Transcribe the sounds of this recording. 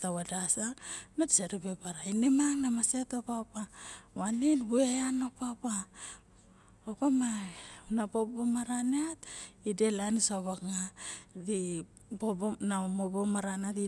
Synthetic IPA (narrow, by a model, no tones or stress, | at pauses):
tawadasanoti̥saɾipepaɾainemaŋnamasetopapawaninbueano̞papa | opamaunapobomaɾaneatidelanisoβakŋadi | ponamobomaɾanati